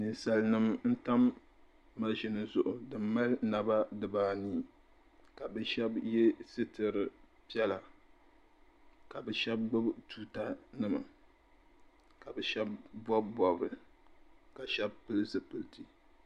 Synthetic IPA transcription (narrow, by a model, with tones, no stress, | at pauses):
ni˨sa˨lnɨ˦mn̩˦ta˦mː | a˦ʒɪ˨nɨ˨zʊ˨ʔʊ˨dɨ˨mː˦a˦lna˨ba˦dɨ˨baː˦niː˦ | ka˨bɛ˦ʃɛ˦bjɛ˦sɨ˦tɨ˨ɾɨ˨ | pi˦ɛ˦la˨ | ka˨bɛ˨ʃɛ˦b̚ɡ͡bʊ˦btuː˦ta˦nɨ˦ma̰˨ | ka˨bɛ˨ʃɛ˦b̚bɔ˦bbɔ˨bɾɨ˨ | ka˨ʃɛ˦b̚pɨ˦lzɨ˨pɨ˨ltʰi˦